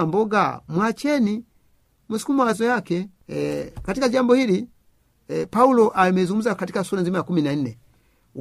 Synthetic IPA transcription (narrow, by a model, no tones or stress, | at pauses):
mbɔɡamwat͡ʃɛni | musi̥kumaazɔjakɛ | katikaɟambɔhili | paulɔʔamɛzuŋɡum̩zakatikasulazimajakuminan̩nɛ